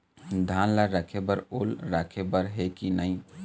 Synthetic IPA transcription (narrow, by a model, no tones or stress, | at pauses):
d̪ʱanləɾəkʰebəɾolɾakʰebəɾɦekinəɪ